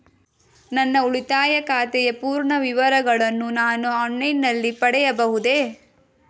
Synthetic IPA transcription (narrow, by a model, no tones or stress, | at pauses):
nɐnːɐuɭit̪aːjɐkaːt̪ɛjɐpuːɾɳɐʋiʋɐɾɐɡɐɭɐnːunaːnuɔɳːɐjnːɐlːipɐɽɛjɐbɐɦud̪e